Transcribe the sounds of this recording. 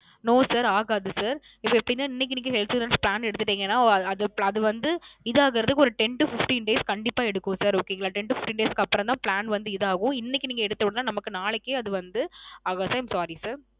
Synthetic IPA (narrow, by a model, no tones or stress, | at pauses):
noːsaːɾaːɣaːðɯsaːɾ | ɪpːoːɛpːɐɽɪnːaːɪnːɪk̬ːɪniːkːɯɦɛlsuːɾɐnspɭaːnɛɽɯt̪ːɯʈːiːŋɡɐnːaːɐɐðɯɐðɯʋɐnd̪ɯɪðɯaːɣɪɾɐðɯkːɯɔɾɯʈɛɳʈufɪfʈiːnɖeːskɐɳɖɪpːaːɛɽɯkːʊ̃saːɾoːkːeːŋɡɐɭaːʈɛɳʈufɪfʈiːnɖeːskɯɐpːɐɾɐ̃nt̪ãːpɭaːnʋɐnd̪ɯɪðaːɣʊ̃ɪnːɪkʲːɯniːŋɡɐɛɽɯt̪ːɐʋɽɯnaːnɐmɐkːɯnaːɭɛkːeɐðɯʋɐnd̪ɯaːɣaːðsaɐɪmsaːɾisaːɾ